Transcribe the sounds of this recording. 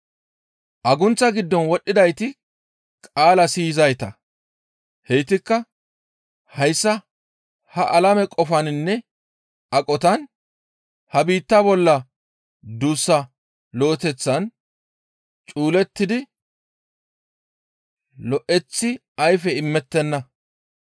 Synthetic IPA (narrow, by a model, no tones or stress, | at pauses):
ʔɐɡʊnt͡sːɐɡɪd̪ːɔnwɔɗːɪd̪ɐjt̪ɪ | kʼaːlɐsiːzɐjt̪ɐ | hɛjt̪ɪkːɐ | hɐjsːɐ | hɐʔɐlɐmɛkʼɔfɐnɪnːɛ | ɐkʼɔt̪ɐn | hɐbiːt̪ːɐbɔlːɐ | d̪uːsːɐ | lo̞ːt̪ɛt͡sːɐn | t͡ʃʼuːlɛt̪ːɪd̪ɪ | lɔʔɛt͡sːɪ | ɐjfɛɪmːɛt̪ːɛnːɐ